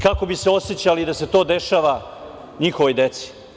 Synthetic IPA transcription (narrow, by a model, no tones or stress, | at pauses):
kako̞biseo̞set͡ɕalid̪ase̞t̪o̞ːd̪e̞ʃaːʋa | ɲixoʋo̞jd̪et̪si̥